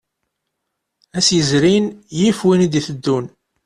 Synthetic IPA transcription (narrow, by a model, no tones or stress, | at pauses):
æsjəzɾinjifwind̪iθəd̪ːun